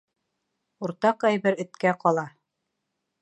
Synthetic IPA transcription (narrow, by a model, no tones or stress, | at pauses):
uɾt̪ɑqæjβɘɾɘ̆t̪kæqɒlˠɑ